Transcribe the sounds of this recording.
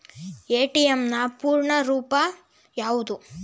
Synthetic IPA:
eːʈijemnɐpuːɾɳɐɾuːpɐ | jaːʋud̪u

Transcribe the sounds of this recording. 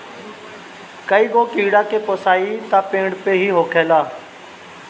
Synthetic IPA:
kəiːɡoːkiːɽaːkeːpoːsaːiːt̪aːpẽːɽpeːɦiːɦoːkʰeːlaː

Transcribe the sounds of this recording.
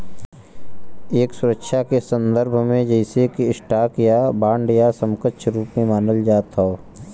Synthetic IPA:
eːksʊɾəkʃʰakesə̃nd̪əɾbʱmẽd͡ʒɛɪsekiɪʃʈaːkjabaːɳɖjasə̃mkətʃɾuːpmẽmaːnəld͡ʒaːt̪ao

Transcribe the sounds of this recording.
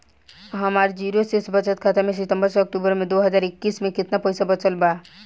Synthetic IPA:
ɦɐmaːɾd͡ʒiːɾosesbət͡ʃət̪̚kʰat̪amẽs̬ɪt̪ə̃mbəɾsɐk̚ʈuːbəɾmẽd̪oːɦəzaːɾɪkːiːsmẽkɪt̪napɛjsabɐt͡ʃəlba

